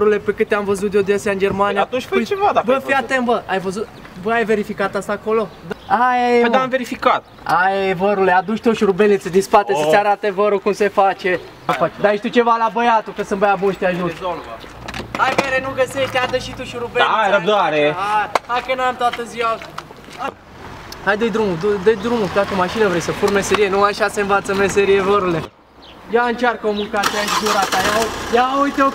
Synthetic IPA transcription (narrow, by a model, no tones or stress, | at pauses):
ɾule̞pekɨt̪eamvəzut̪d̪od̪ʲeasʲjaɨnd͡ʒe̞rmaniap̪ũt͡ʃfəjt͡ʃevad̪abəfiat̪embəajvəzut̪ | vəajve̞ɾifikat̪ast̪aːko̞lo̞d̪ajed̪aamveɾifikat̪̚ | ajevəɾulead̪uʃt̪oʃuɾubenit̪sed̪inspat̪esəeaɾat̪evəɾokumse̞fat͡ʃe̞ | fad̪ajeʃt̪ut͡ʃe̞valabəjat̪ukəsɨnbəjabunʃt̪eaʒunolvə | ajveɾenuɡəseʃt̪ead̪əʃit̪uʃuɾubeɾəb̚d̪aɾeaakənuamt̪oat̪əziwa | a | hajd̪ed̪ɾumud̪ud̪ed̪ɾumud̪akəmaʃinəvɾe̞jsəpurme̞se̞ɾije̞nuaʃaseɨnvat̪səme̞se̞ɾije̞vəɾule | jaɨnt͡ʃarkəomulkat̪siaʃʒuɾat̪ajajaujt̪o